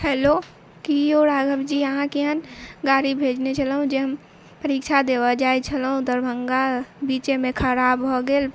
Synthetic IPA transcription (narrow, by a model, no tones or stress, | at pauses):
hɛːlo | kioːɾaːɡəbd͡ʒiəɦãkiɦənɡaːɾibʱeːd͡ʒnet͡ʃʰəlɦũd͡ʒeɦəm | pəɾiːkʃʰad̪eːbad͡ʒaːet͡ʃʰəlɦũd̪əɾbʱəŋɡabiːt͡ʃemẽkʰəɾaːbɦoɡel